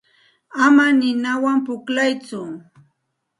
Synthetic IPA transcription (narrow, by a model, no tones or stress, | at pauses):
amanɪnawampʊklajt͡sʊ